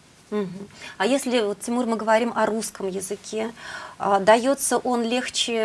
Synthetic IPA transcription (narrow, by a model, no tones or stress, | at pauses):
m̩ɦm̩ajesʲlʲɪvot̪tʲɪmurmɨɡəvɐɾʲimʔɐɾuskəmjɪzɨkʲʰe̞ad̪ɐjo̞t̪səʔo̞nlʲe̞xt͡ɕɪ